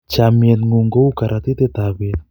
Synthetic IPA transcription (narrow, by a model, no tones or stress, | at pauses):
t͡ʃamienŋuŋɡowkaɾʔat̪it̪et̪aβe